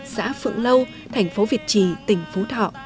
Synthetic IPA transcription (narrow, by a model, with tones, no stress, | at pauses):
sa̰ː˧˥fɨ̰˧˨əŋlə˧w | t̪ʰa˨˩jŋ̟fo˨˦vi˨˩ət̚t͡ɕi˧˩t̪ï˧˩ŋ̟fu˨˦t̪ʰɔ̰˧˨ʔ